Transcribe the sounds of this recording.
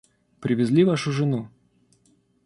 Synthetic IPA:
pɾʲɪvʲɪzʲlʲivaʂʊʐɨnu

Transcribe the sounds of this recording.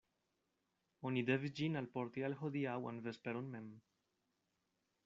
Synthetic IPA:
onid̪evd͡ʒinalpɔɾt̪ialxod̪iawa̰nvespeɾunmem

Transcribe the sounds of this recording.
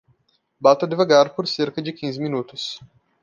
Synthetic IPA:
bat̪ɐd̪evaɡaɾpoɾseɾkɐd͡ʒɪkʲĩzɪminut̪ʊs

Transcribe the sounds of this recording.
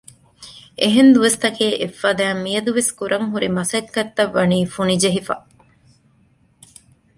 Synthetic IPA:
ʔeɦend̪uʋɐst̪ɐkʰeːʔefːɐːd̪æːmːijɐd̪uʋeskuɾʔɐŋɦuɾimɐsɐkːɐt̪ːɐʋːɐniːfunid͡ʒeɦifɐ̰

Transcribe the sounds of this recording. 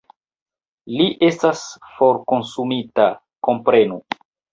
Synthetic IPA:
liʔe̞stasfo̞ɾkonsumita | ko̞mpɾe̞nu

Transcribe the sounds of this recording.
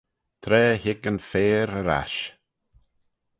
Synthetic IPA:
t̪ʰɾɛːhɪkənfeːɾəɾa̰ʃ

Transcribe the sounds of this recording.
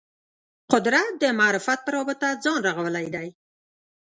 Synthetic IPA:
qʊd̪ɾat̪̚d̪əmɑːɾɪfat̪̚pəɾɑbət̪ad͡zɑnɾaɣawəlajd̪aj

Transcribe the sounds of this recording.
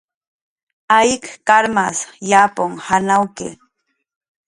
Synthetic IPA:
ajkkaɾmasjapoŋhanawkḛ

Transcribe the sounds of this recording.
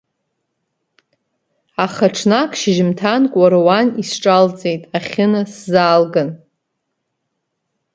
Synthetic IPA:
aχaʈ͡ʂʰnakʰʃɪʒɪmtʰankʷʼaɾowanisʈ͡ʂʼalt͡sʼe̞jtʼaχʲɪnɨszaːlɡɨn

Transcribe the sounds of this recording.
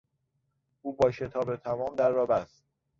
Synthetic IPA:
ʔuːbɒːʃe̞t̪ʰɒːbe̞t̪ʰæmɒːmd̪æɾːɒːbæst̪̚

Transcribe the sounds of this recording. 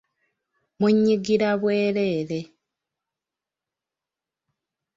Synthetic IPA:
muɲːiɡiɾaβweːɾeːɾe

